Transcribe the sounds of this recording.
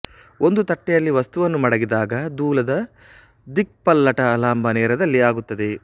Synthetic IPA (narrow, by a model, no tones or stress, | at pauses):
o̞nd̪ut̪ɐʈːɛjɐlːiʋɐst̪uʋɐnːumɐɽɐɡid̪aːɡɐd̪uːlɐd̪ɐ | d̪ik̚pɐlːɐʈɐːlaːmbʱɐnɛːɾɐd̪ɐlːiaːɡut̪ːɐd̪e̞